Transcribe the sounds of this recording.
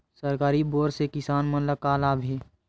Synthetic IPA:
səɾkaːɾiboːɾsekɪsaːnmənləkaːlaːbʱɦeː

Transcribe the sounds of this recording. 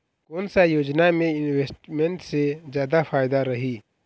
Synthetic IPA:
konsajoːd͡ʒnamẽɪnweːsʈmeɳʈsezjaːd̪afʰaːɪd̪aɾɐɦiː

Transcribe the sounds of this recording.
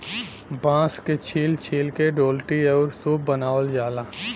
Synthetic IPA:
bãːsket͡ʃʰiːlt͡ʃʰiːlkeɖoːlʈiəːɾsuːb̚bənaːʋəld͡ʒaːlaː

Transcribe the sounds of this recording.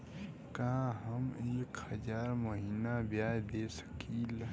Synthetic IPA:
kɐɦãɦəmeːkhɐzaːɾmɐɦiːnabjaːjd̪eːsə̥kʰiːl

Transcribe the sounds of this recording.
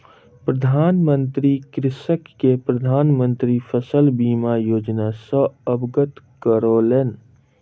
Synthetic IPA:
pɾəd̪ʱaːnmə̃nt̪ɾikɾɪsəkːepɾəd̪ʱaːnmə̃nt̪ɾipʰəsəlbiːmajoːd͡ʒnasəəbɡət̪kəɾolen

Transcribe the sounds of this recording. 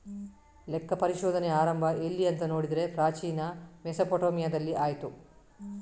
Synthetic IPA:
lɛkːɐpɐɾiʃɔːd̪ʱɐneaːɾɐmbʱɐʔe̞lːiɐnt̪ɐno̞ːɽid̪ɾe̞pɾaːt͡ʃiːnɐmesɐpoʈoːmijɐd̪ɐlːiʔaːjt̪u

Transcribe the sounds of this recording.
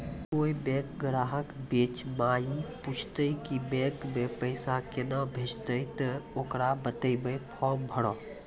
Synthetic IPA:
koːibɛ̃ːkɡɾaːɦəkbeːt͡ʃmaːjiput͡ʃʰt̪əikibɛ̃ːkmẽpəɪsakenabʱed͡ʒt̪əit̪əokɾabət̪əibəjpʰɔːmbʱəɽɔː

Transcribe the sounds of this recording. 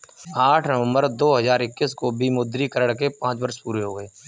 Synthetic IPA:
aːʈʰnəʋə̃mbəɾd̪oːɦɐzaːɾɪkːiskobʱimʊd̪ɾikəɾəɽkepãːt͡ʃbɐɾʃpuːɾeɦoːɡəeː

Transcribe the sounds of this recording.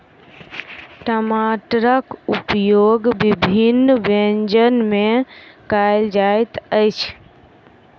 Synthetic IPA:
ʈəmaʈɾəkupjoɡbibʱinːbend͡ʒənmekajld͡ʒajt̪əjt͡ʃʰ

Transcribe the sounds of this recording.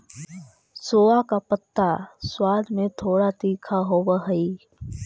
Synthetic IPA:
soːakapət̪ːaswaːd̪ʱmẽt̪ʰoːɽat̪iːkʰaɦoːwəɦəi

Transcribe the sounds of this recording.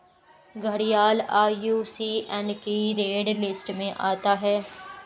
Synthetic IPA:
ɡʱəɽijaːlaːjuːsiːʔɛ̃nkiːɾeːɖlɪsʈmẽʔaːt̪aːɦɛː

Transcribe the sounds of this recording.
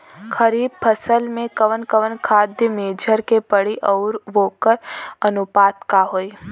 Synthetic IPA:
xʰəɾiːb̚pʰəsəlmẽkəʋənkəʋənkʰaːd̪jəmeːd͡ʒʱəɾkepəɽiʔɔːɾʋoːkəɾɐnʊpaːt̪kaɦoːi

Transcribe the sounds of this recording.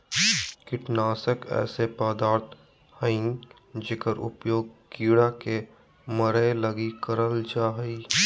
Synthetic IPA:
kɪʈnaːsəkɛ̰ːsepəd̪aːɾt̪ʰ | həĩŋ | d͡ʒekəɾʔʊ̰pjoːɡ̚kiːɽake | məɾeləɡikəɾəld͡ʒaːɦi

